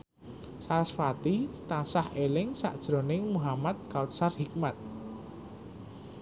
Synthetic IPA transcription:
saɾasfat̪it̪ansahelɪŋsa̰ʔd̥ʒ̥ɾo̤nɪŋmuɦamat̪̚ɡ̥awt̪̚sarhik̚mat̪̚

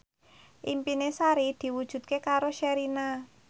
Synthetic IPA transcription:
ʔimpinesaɾid̪̥i̤wud̥ʒ̥ṳt̪̚kekaɾoʃɛɾina

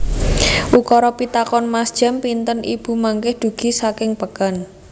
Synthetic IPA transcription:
ʔukɔɾɔpit̪akɔnmasd̥ʒ̥a̤mpint̪ənib̥ṳmaŋkɪhd̪̥ṳɡ̥i̤sakɪŋpəkan

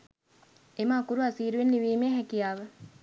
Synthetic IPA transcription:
emaːkuɾuasiːɾuʋenliʋiːmeːɦækijaːʋə

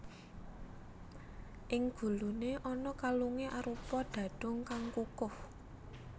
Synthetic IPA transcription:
ʔɪŋɡ̥ṳluneʔɔnɔkaluŋeʔaɾupɔɖ̪̥ä̤d̥ʊ̤ŋkaŋkukʊh

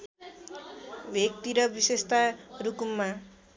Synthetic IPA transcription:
bʱek̚t̪iɾʌbisest̪arukumːa

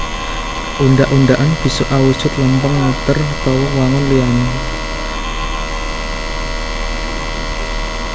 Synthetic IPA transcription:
ʔundaʔuɳɖaʔanb̥i̤sʊʔawud̥ʒ̥ʊ̤t̪lampəŋat̪ərt̪ɔwʊwaŋʊnliani

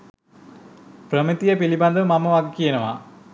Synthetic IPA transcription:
prəmit̪ijəpilibɐnd̪əmaməʋaɡkijenəʋa̰

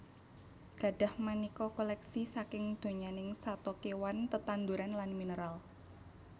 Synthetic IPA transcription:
ɡ̥a̤ɖ̥a̤hmanikɔkolɛksisakɪŋd̪̥o̤ɲanɪŋsat̪ɔkewant̪ət̪and̪uɾanlanminəɾal

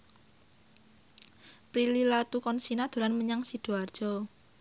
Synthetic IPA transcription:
pɾililat̪ukɔnsinad̪̥o̤ɾanməɲaŋsid̪̥oard̥ʒ̥ɔ

